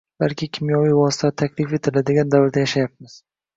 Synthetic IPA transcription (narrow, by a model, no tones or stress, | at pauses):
b̥alkʲɪkʲʰɪmjɒvijvɒsɪ̥t̪ʰat̪ʰakʲlɪfe̞t̪ʰɪlad̪ɪɡʲand̪avɪɾd̪ajaʃajap̚mɪz̥